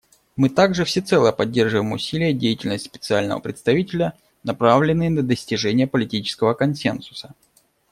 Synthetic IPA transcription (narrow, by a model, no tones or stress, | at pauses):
mɨt̪aɡʐɨfsʲɪt̪sɛlˠəjəpɐdʲːerʐɨvəjɪmʊsʲilʲɪjədʲejɪtʲɪlʲnəsʲtʲspʲɪt̪sɨalʲnə̰və̰pɾʲɪ̰t̪st̪ɐvʲitʲɪlʲə | nɐpɾavlʲɪnːɨjənəd̪əsʲtʲɪʐɛnʲɪjəpəlʲɪtʲit͡ɕɪ̥skəvəkɐnsʲensʊ̥sə̥